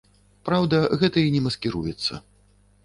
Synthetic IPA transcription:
pɾawd̪ɐɣɛt̪ɐinʲɛmɐskʲiɾujɛt̪sːɐ̰

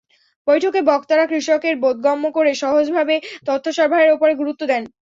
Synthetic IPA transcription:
bojʈʰokebɔkt̪aɾakɾiʃokeɾbod̪̚ɡɔmːokoɾeʃɔɦod͡ʑbʱabet̪ot̪ʰːoʃɔɾbʱaɾeɾopoɾeɡuɾut̪ːod̪ɛn

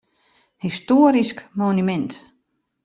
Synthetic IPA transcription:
histoːəɾiskmonymɛnt

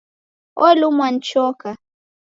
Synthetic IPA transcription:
ɔ̰lumwan̩t͡ʃɔka

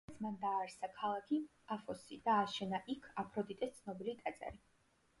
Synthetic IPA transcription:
t̪sʰmand̪aːɾsakʰalˠakʰi | afɔsid̪̥aːʃɛnaʔikʰapʰɾɔd̪it̪ʼɛst̪sʰnɔbilit̪ʼat̪sʼa̰ɾi

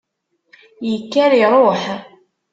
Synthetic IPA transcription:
jəkːæɾiɾˤoħ

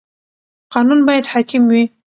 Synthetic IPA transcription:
qɑnunbɑjad̪hɑkɪmwi

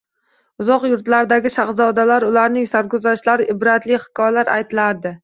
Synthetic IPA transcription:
ʊzɒqjʊɾt̪laɾd̪aɡʲɪʃaχzɒd̪alaɾʊlaɾnɪŋsaɾkʊzaʃlaɾɪʔɪbɾat̪lɪhɪ̥kʰɒjalaɾʔa̰jt̪ɪlaɾd̪ɪ

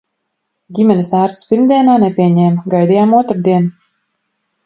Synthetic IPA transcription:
ɟʲimʲɛnisaːɾt̪spʲiɾmd̪ʲiɛnaːnepʲiɛɲɛmɡajd̪ijaːmuɔt̪ɾd̪iɛn

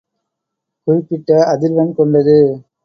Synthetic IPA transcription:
kʊrɪpːɪʈːɐɐðɪɾʋɐnkɔɳɖɐðɯ

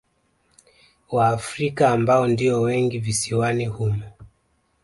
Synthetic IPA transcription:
waːfɾikaːmbaɔndiɔwɛŋɡivisiwanihuju

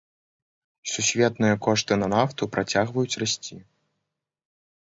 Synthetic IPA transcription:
sʲusʲvʲɛt̪nɨjɐkɔʂt̪ɨnɐnaft̪upɾʔat͡sʲaɣvɐjut͡sʲrasʲt͡sʲi

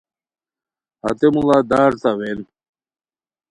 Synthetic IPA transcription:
hɐ̰t̪emulad̪aːɾt̪awel

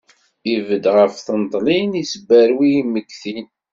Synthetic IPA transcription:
ivəd̪ʁəfθənt̪ˤlinisəbːæɾwijimːəɡθin

